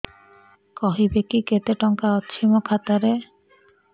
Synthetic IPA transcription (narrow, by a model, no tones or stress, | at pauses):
kɔɦibekiket̪eʈɔŋkaɔtːʃʰimokʰat̪aɾe